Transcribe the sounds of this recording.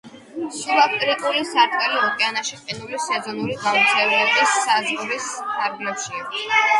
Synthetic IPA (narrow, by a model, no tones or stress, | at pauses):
sulakt̪ʼɾit̪ʼulisaɾd̪ɡɛliɔkʼɛanaʃiqʼinulisɛzɔnuliɡaut̪sʼɛvɛɔbisazʁɔɾispʰaɾɡlɛpʃi